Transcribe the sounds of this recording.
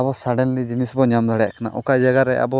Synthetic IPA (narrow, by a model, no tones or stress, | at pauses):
abɔsaɖɛnlid͡ʒinisbɔɲamd̪aɽɛjaʔkana̰ʔɔkad͡ʒaɡaɾɛʔa̰bɔ